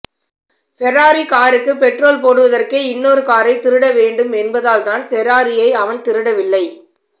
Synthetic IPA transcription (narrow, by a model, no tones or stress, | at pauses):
fɛɾːaːɾikaːɾɯkːɯpɛʈroːlp̬oːɽɯʋɐðɐrkeɪnːoːɾɯkaːɾɐɪt̪ɪɾɯɽɐʋeːɳɖɯmɛnbɐðaːlt̪aːnfɛɾːaːɾɪjɐɪɐʋɐnt̪ɪɾɯɽɐʋɪlːɐɪ